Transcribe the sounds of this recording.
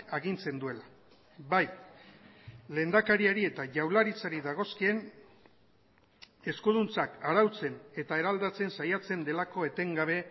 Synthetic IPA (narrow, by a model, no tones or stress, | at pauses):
aɣint͡se̞nd̪ue̞la | baj | le̞ːnd̪akaɾiaɾie̞t̪aʝawlaɾit͡saɾiðaɣ̞o̞skie̞n | e̞skuð̞unt͡sakaɾawt͡se̞ne̞t̪ae̞ɾald̪at͡se̞nsajat͡se̞nd̪e̞lako̞e̞t̪e̞ŋɡaβ̞e̞